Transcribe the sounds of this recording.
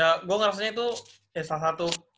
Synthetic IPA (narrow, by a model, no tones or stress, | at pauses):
aɡuaŋɾas̬aɲait̪u | ɛsas̬at̪u